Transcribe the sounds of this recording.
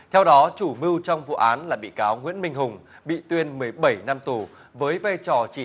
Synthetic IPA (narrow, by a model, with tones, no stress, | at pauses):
t̪ʰɛ˧wɗɔ˨˦t͡ɕu˧˩mɨ˧wt͡ɕɔ˧wŋ͡mvṵ˧˨ʔaː˨˦nlaː˨˩ɓḭ˧˨kaː˨˦wŋwḭ˧˥ənmï˧ŋ̟ɦʊ˨˩ŋ͡m | ɓḭ˧˨t̪wi˧ənmɨ˨˩əjɓə˧˩jna˧mt̪u˨˩ | vəː˨˦jvaː˧jt͡ɕɔ˨˩t͡ɕi˧˩